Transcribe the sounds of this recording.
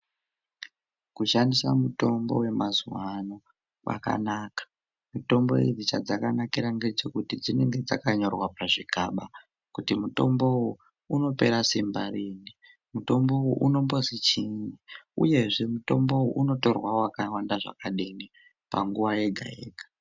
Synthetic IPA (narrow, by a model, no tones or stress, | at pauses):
kuʃandisamuto̞mbo̞̰we̞mazuwano̞ | wʔa̰ka̰naːkḁ | muto̞mbo̞̰ḭrit͡ʃad͡zakanakiɾaŋɡe̞t͡ʃo̞kutid͡zine̞ŋɡe̞d͡zakaɲo̞rwapaʐiɡʱa̰ːɓa | kutimuto̞mbo̞wu | uno̞pe̞ɾasimbariːni | muto̞mbo̞wuʔuno̞mbo̞zit͡ʃiɲiṵje̞ʐe̞muto̞mbo̞uʔuno̞to̞rwawakawandaʐa̰kaɗini | pa̰ŋɡuʋaje̞ɡʱa̰ḛːɡʱḁ